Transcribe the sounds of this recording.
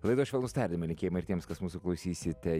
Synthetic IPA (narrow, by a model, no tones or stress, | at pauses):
lˠɐɪd̪oːʃʲʋʲɛlˠnʊst̪ɑɾʲd̪ʲɪmɐlʲɪ̃ŋkʲeːjmɐɪɾt̪ʲiɛmskɐsmuːsʊklˠɐʊsʲiːsʲɪt̪ʲɛ